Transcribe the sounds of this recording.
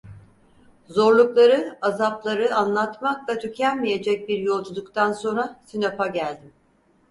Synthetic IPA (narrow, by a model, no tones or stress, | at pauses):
zo̞ɾlˠuklˠaɾɯazaplˠaɾɯanlˠat̪maklat̪ʰycʰænmije̞d͡ʒɛc̚biɾjo̞lˠd͡ʒud̪ukt̪ʰanso̞nɾasinapaɟælʲd̪im